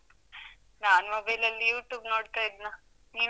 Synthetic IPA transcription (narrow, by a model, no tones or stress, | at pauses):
naːnumɐbɐjlɐlːijuːʈjuːbnoːɽt̪ajid̪ina | niːn